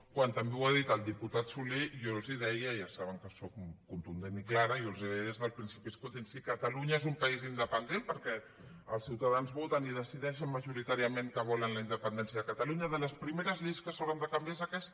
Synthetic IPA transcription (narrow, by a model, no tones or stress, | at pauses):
kwant̪əmbewaðit̪əlˠd̪iput̪at̪sulejolˠziðɛjəiasaβəŋkəsokːunt̪und̪eniklaɾəijolˠziðɛjezðəlˠpɾinsipiskut̪insikət̪əluɲaezumpaizind̪əpənd̪enpəɾkɛ | əlˠsiwt̪aðanzβot̪əniðəsiðɛʃənməʒuɾit̪aɾiəmeŋkəβ̞ɔlənləind̪əpənd̪ɛnsjəðəkət̪aluɲəðələspɾimeɾəzʎejskəsawɾənd̪əkambjaezəkɛst̪